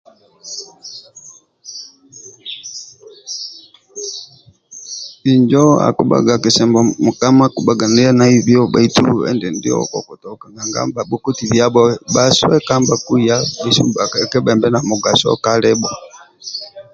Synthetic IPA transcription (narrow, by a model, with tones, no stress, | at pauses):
i˨ɲd͡ʒɔ˦a̰˨ku˦ba̰˨ɡa˨ki˨sɛ˨mbɔ˨mu˨ka˦ma˦ku˨ɓa˨ɡa˨ni˦a˦na˦i˦vjɔ˦ba̰˨itu˦˨ɛ̰˦ndɛ˨ndḭ˦ɔ̰˦kɔ̰˨ku˨tɔ˨ka˨ŋɡa˨ŋɡa̰˦mba˨ɓɔ˦ku˦ti˨βja˦ɓɔɓa˦swɛ˦ka˦mba˨ku˦˨ja˦bi˦sṵ˦ba˨kkɛ˦bɛ˨mbɛ˦na˨mu˨ɡa˨sɔ̰ka˦lɛ˦ɓɔ˨